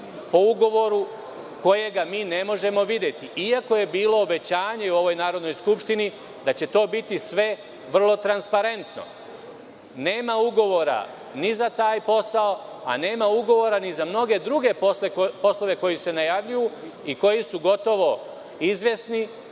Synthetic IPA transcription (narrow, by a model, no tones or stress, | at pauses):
po̞uɡo̞ʋo̞ɾu | ko̞je̞ɡamiːne̞mo̞ʒe̞mo̞ʋid̪je̞t̪iʔiako̞jebiːlo̞ːbe̞t͡ɕaːɲe̞uo̞ʋo̞jnaːɾo̞d̪nojskupʃt̪ini | d̪at͡ɕe̞t̪o̞ːbit̪isʋe̞ | ʋr̩lˠo̞t̪ɾanspaɾe̞nt̪no̞̰ | ne̞ːmauɡo̞ʋo̞ɾa̰ | nizat̪aːjpo̞sao | a̰ne̞ːmauɡo̞ʋo̞ɾanizamno̞ɡe̞d̪ɾuɡe̞poslepo̞slˠo̞ʋe̞ko̞jise̞najaʋʎuju | iko̞jisuɡo̞t̪o̞ʋo̞ | izʋʲje̞sni